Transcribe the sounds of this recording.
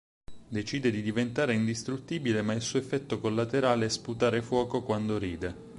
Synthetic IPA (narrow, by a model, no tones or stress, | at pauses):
d̪et͡ʃiːd̪ed̪id̪ivent̪aːɾeind̪ist̪ɾut̪ːiːbilemailsuːefːɛt̪ːokolːat̪eɾaːleɛsput̪aːɾefwɔːkokwand̪oɾiːd̪e